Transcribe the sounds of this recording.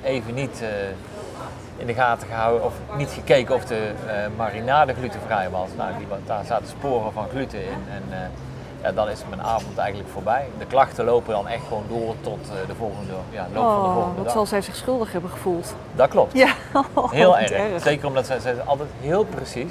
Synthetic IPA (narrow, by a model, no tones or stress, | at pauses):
ejvənitə | ɪndəɣaːtəɣəɦɑwənɔfnitxəkejkənɔfdəmarinaːləɣlytəvrɛjʋɑsna̰wdidaːɹzaːtə̥spoːrəvɑnɣlytəɪnɛn | ja̰ːdɑnɪsətmənʔa̰ːvɔntɛjɣəntləkfʊːɹbɛjdəklɑxtəlowpədɑnɛxtxəʋowndʊːrtɔtdəvɔlˠɣəndəjalowvɔlˠdɑsɑlˠzɛjzɪχsχɵlˠdəχɦɛbəχəvulˠt | dɑt̚klɔp̚t | ɦɪːlˠɛrzejkərɔmdɑtsɛzɛjɑ̰lˠtɛjtɦɪːlˠprəsis